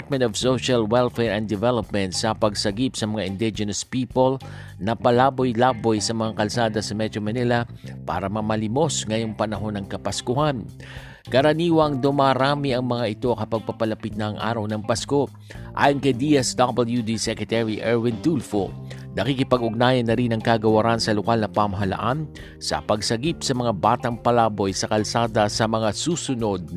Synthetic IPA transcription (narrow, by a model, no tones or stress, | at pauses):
pɹt̪̚mɛ̃nt̪ɔv̥soʃɐlwɛlfɛɹɛnd̪ɪvɛlop̚mɛ̃nt̪sɐpɐɡsɐɡipsɐmɐŋaʔɪnd̪ɪd͡ʒɛnɐspiːpol | nɐpɐlaːbojlaːbojsɐmɐŋakɐlsaːd̪ɐsɐmɛt̪ɾomɐnilɐ | pa̰ːɾɐmɐmɐlimo̞sŋɐjo̞ŋpɐnɐɦo̞nɐŋkɐpɐskʊhan | kɐɾɐniːwɐŋd̪ʊmaːɾaːmiɐŋmɐŋaʔɪt̪o̞kɐpɐɡ̚pɐpɐlɐpit̪̚nɐʔːŋʔa̰ːɾɐwnɐŋpɐsko̞ | ʔa̰ːjonkɐjd̪iʔɛsd̪abɛljud̪isɛkɹɛt̪ɛɹiʔɛɹwɪnt̪ulfonɐkikɪpɐɡʊɡ̚naːjɐnːɐɾinɐŋkaːɡɐwɐɾansɐlokalnɐpamɐɦɐlɐ̰ʔan | sɐ̰pɐɡsɐɡipsɐmɐŋabaːt̪ɐŋpɐlaːbo̞jsɐkɐlsaːd̪ɐsɐmɐŋasuːsʊno̞d̪̚